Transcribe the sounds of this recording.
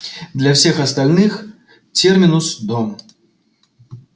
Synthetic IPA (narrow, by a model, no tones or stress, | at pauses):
d̪lʲɐwfsʲɛxɐst̪alʲnɨx | t͡sʲɛrmʲinusd̪ɔm